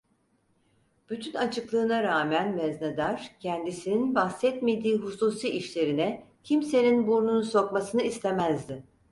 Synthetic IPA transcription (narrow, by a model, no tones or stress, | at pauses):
b̥yt̪ʰynat͡ʃʰɯklˠɯːnaɾaːmænmɛznad̪aɾ̥cʰɛnd̪isininbaxsɛt̪me̞d̪iːɦusuːsiːiʃlʲe̞ɾinɛcʰimse̞ninbuɾnunso̞kmasɯnɯist̪emæzd̪ɪ